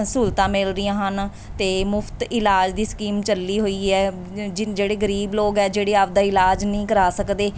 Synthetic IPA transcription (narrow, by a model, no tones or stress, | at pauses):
suːlt̪ãːmɪlɾijãːɦən | t̪eːmʊpʰt̪ɪlaːd͡ʒd̪iːskiːmt͡ʃəlːiːɦoːiːɛː | d͡ʒeːɽeːɡəɾiːbloːɡɛːd͡ʒeːɽeːapd̪aːɪlaːd͡ʒnəĩːkəɾaːsəkd̪eː